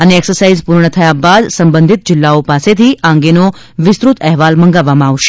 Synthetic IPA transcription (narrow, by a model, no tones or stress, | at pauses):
əneːksəɾsaizpuɾɳət̪ʰəjabad̪səmbə̃nd̪ʱit̪̚d͡ʒɪlːaopaset̪ʰiãŋɡeno | ʋɪst̪ɾut̪ɛɦʋalməŋɡaʋːamãaʋʃe̥